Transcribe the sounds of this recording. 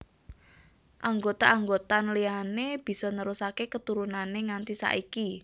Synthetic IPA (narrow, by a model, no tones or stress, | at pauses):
ʔaŋɡot̪aaŋɡot̪anəlianeb̥i̤sɔnəɾusakekət̪uɾunaneŋant̪isa̰ʔiki